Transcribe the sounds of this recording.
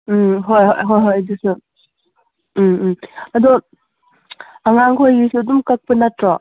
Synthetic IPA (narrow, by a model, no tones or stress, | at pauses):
ɦojho̰jɦojɦojdisu | ɐdɔ | ɐŋaŋkʰojɡisiɐdumkɐk̚pɐnatɾɔ